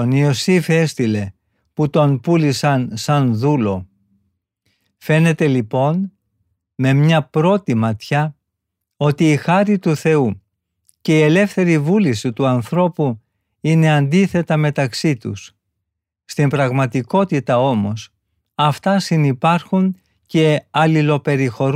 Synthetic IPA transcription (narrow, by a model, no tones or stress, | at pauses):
oniosife̞st̪ile̞ | put̪o̞npulisɐnsɐnðulo̞ | fe̞ne̞t̪e̞lipo̞n | me̞mɲɐpɾo̞t̪imɐt̪çɐ | o̞t̪iːxɐɾit̪uθe̞u | ce̞ie̞le̞fθe̞ɾivulisit̪uɐnθɾo̞pu | ine̞ɐnd̪iθe̞t̪ɐme̞t̪ɐksit̪ṵs | st̪imbɾɐɣmɐt̪iko̞t̪it̪ɐo̞mo̞s | ɐft̪ɐsinipɐɾxuŋ | ce̞ɐlilo̞pe̞ɾixo̞ɾ